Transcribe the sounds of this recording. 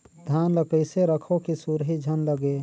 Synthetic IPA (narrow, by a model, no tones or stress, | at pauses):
d̪ʱaːnləpəɪseɾəkʰokisuɾɦid͡ʒʱənləɡe